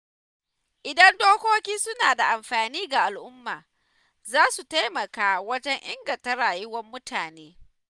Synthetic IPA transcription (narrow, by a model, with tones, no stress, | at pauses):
ʔɪ˨dɐ˦ndoː˦kʷoː˦kʲiː˦sʊ˦naː˨da˨ʔa˨mɸaː˨niː˦ɡa˨ʔa˨lʔʊ˦mːaː˨ | zaː˦su˨ta˦jmɐ˨kaː˦wɐ˦d͡ʒɛ˦ɲʔɪ˦ŋɡɐ˨ntɐ˦ɾaː˨jɪ˦wɐ˦mːʊ˦tʰaː˨neː˦